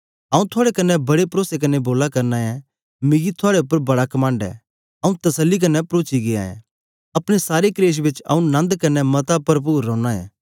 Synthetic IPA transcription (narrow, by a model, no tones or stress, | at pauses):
aːũt̪ʰʊaːɽekɐnːɛbɐɽepɾoːsek̬ɐnːɛboːlakɐɾnaːɛ̃ | mɪ̃ɡit̪ʰʊaːɽeʊpːəɾbɐɽakɐmãːɳɖɛ̰ː | ɐːũt̪ɐsəlːik̬ɐnːɛpɾoːt͡ʃiɡea̰ːɛ̰̃ | ɐpɽ̃esaːɾekɾeːʃ̬bɪt͡ʃɐ̰ːũnɐ̃nd̪kɐnːɛmɐt̪apɐɾp̬uːɾːɔ̃ːɽñaɛ̰̃ː